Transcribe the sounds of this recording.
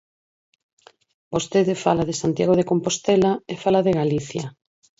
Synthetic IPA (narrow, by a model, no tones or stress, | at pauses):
bost̪eðefalaðesant̪jaɣoð̞ekompost̪elaefalaðeɣaliθja